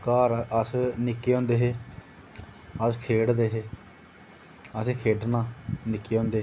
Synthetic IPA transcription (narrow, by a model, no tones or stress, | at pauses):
kaːɾəsnɪkːeːõːnd̪eːɦeː | əskʰeːɽd̪eːɦeː | əseːkʰeːɖnãːnɪkːeːõːnd̪eː